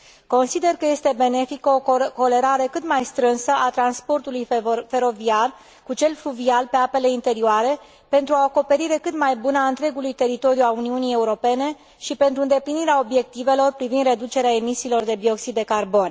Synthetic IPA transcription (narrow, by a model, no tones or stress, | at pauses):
ko̞nsid̪e̞rkəje̞st̪e̞be̞ne̞fikəoko̞le̞ɾaɾekɨt̪majst̪ɾɨnsəʔat̪ɾanspo̞rt̪ulujfe̞ɾo̞viar | kut͡ʃe̞lfluvialpe̞ape̞le̞int̪e̞ɾioaɾe̞ | pe̞nt̪ɾuaoko̞pe̞ɾiɾe̞kɨt̪majbunəaɨnt̪ɾe̞ɡulujt̪e̞ɾit̪o̞ɾijuauniunije̞uɾo̞pe̞ne̞ | ʃipe̞nt̪ɾuɨnd̪e̞pliniɾeao̞bje̞k̚t̪ive̞lo̞rpɾivind̪re̞d̪ut͡ʃe̞ɾeae̞misiːlo̞rd̪e̞bio̞ksid̪ːekarbo̞n